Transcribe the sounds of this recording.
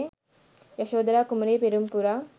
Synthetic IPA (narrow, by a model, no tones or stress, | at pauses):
jɐʃoːd̪ɾaːkumɾeːpiɾumpuɾa